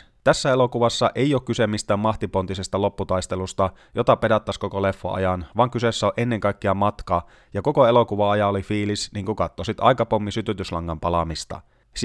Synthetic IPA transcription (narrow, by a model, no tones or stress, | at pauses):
t̪æsːæelo̞kuʋɑsːɑʔe̞joːkkysemːist̪æːmːɑht̪ipo̞nt̪ise̞st̪ɑlo̞pːut̪ɑjst̪e̞lust̪ɑ | jot̪ɑpe̞dɑt̪ːɑsko̞kole̞fːo̰ʔɑ̰jɑnʋɑːŋkysesːæoʔe̞nːe̞ŋkɑjkːeɑmɑt̪kɑː | jɑko̞koe̞lo̞kuʋɑɑjɑolifiːlisniːŋkukɑt̪ːosit̪ɑ̰jkɑpomːisyt̪yt̪yslɑŋːɑmpɑlɑmist̪ɑ̰